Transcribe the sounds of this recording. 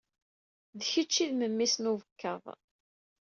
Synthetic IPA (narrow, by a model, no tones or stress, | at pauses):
ðçət͡ʃːiðməmːisnuvəkːəðˤ